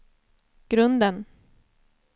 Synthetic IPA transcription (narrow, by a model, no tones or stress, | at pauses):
ɡ̥ɾɵnd̪ən